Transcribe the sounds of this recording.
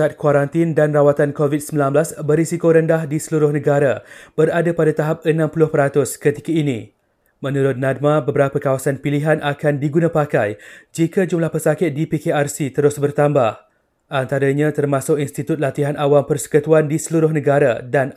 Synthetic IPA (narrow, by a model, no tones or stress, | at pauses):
at̪̚kwaɾant̪ɪndanrawat̪ankovit̪̚səmbilanbəlasbərisikoɾəndahdisəluɾʊhnə̃ɡaɾab̥əɾadapadat̪aɦap̚ənãmpulʊhpəɾat̪ʊskət̪ikainḭ̃ | mə̃nũɾʊt̪̚nad̚mãbəbəɾapəkawasanpiliɦanʔakandiɡunãpakajd͡ʒikad͡ʒumlahpərsakɪt̪̚dipikearsit̪əɾʊsbərt̪ambah | ʔant̪aɾaɲãt̪ərmãsʊk̚inst̪it̪ʊt̪̚lat̪iɦanawampərsə̥kət̪uandisəluɾʊhnə̃ɡaɾa̰dan